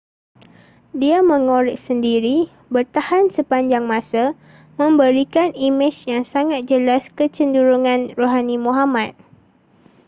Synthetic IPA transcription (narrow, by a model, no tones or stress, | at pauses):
diamə̃ŋõɾɪʔ̚səndiɾi | bərt̪ahansəpaɲd͡ʒaŋmãsa | mə̃mbəɾikanimɪt͡ʃjaŋsaŋat̪̚d͡ʒəlaskət͡ʃənduɾuŋãnroɦanĩmũɦamãt̪̚